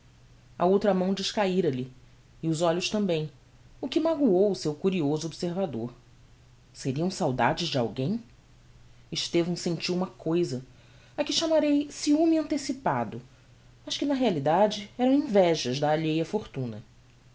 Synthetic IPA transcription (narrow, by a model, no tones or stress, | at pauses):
ɐ̰owt̪ɾɐmɐ̃w̃d͡ʒɪʃkaiɾɐli | ɪʊzɔʎʊʃt̪ɐ̃mbẽj̃ | ʊkɪmaɡuowʊsewkuɾiozʊobseɾvad̪oɾ | seɾiɐ̃w̃sawd̪a̰d͡ʒɪʒd͡ʒa̰wɡẽj̃ | ɪʃt̪evɐ̃sẽnt͡ʃiwũmɐkojzɐ | akɪʃamaɾejsiumɪɐ̃nt̪esipad̪ʊ | mɐʃkɪnɐɦealid̪ad͡ʒɪɛɾɐ̃w̃ĩvɛʒɐzd̪ɐːʎejɐfoɾt̪ũnɐ̰